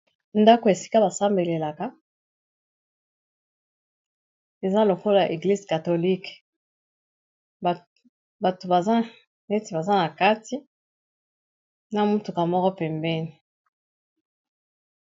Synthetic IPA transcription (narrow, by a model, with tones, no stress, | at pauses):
nda˦ko˨e˨si̥˦ka˦ba˨sa˦mbe˨le˨la˨ka˦ | e˨za˦lo˨ko˦la˨a˨ʔe˨ɡli˦zka˨to˨li˦k | ba˨to˨ba˨za˦ | ne˦ti˨ba˨za˦na˨ka˦ti˦ | na˦mu˦tu˨ka˨mɔ˦kɔ˦pɛ˨mbɛ˦ni˨